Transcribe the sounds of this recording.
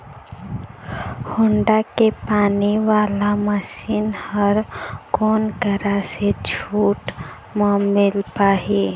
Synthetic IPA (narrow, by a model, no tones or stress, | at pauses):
hʊɳɖakepaːniʋaːlaməʃiːnhəɾkoːnɡʱəɾased͡ʒʰuːʈ | mãmɪlpaːɦiː